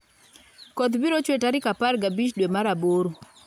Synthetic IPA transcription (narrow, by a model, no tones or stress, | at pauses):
kɔt̪biɾot͡ʃwetaɾɪkaparɡabit͡ʃdwemaɾaboɾo